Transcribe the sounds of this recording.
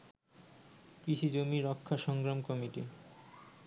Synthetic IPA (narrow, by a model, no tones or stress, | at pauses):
pɾiʃid͡ʑomiɾɔkʰːaʃɔŋɡɾamkɔmiʈi